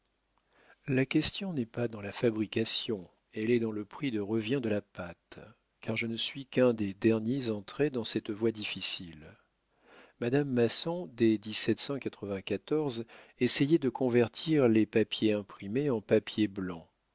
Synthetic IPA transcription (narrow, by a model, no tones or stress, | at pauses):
lakʲɛst̪jɔ̃nɛpad̪ɑ̃lafabʁikasjɔ̃ | ɛlɛd̪ɑ̃ləpχid̪əʁəvjɛ̃d̪əlapat̪ | kʰaʁʒənəsɥikɛ̃d̪ed̪ɛʁnjezɑ̃t̪χed̪ɑ̃sɛt̪vwad̪ifisil | mad̪amːasɔ̃d̪ed̪isɛt̪sɑ̃kat̪χəvɛ̃kat̪ɔʁzɛsɛjɛd̪əkɔ̃vɛʁt̪ʰiʁlepapjeɛ̃pχimeɑ̃papjeblɑ̃